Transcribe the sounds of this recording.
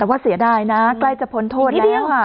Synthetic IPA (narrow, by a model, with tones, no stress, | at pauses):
ɛː˨˩waː˥˩si˩˦ɐdaː˧˩jna˦˥kla˥˩jt͡ɕa˨˩pʰo˨˦˥nt̪ʰoː˥˩lɛː˧˦˥wa˧˩